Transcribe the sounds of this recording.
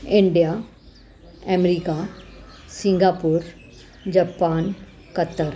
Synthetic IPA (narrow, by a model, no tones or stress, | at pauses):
ɪɳɖija | ɛmɾika | sĩŋɡaːpuːɾ | d͡ʑɐpaːn | kɐt̪ːəɾ